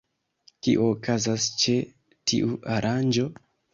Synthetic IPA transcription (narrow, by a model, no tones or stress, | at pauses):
kḭʔoːkʰazast͡ʃe̞ | tʰḭʔuʔaɾʔand͡ʒo̞